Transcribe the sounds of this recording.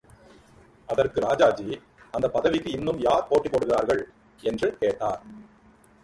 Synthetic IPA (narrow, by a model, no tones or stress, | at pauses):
ʔɐðɐrkɯɾaːd͡ʒaːd͡ʒi | ɐnd̪ɐpːɐðɐʋɪkːɯɪnːɯmjaːɾpoːʈːipːoːɽɯɣɪraːɾɣɐɭ | ɛndrɯkeːʈːaːɾ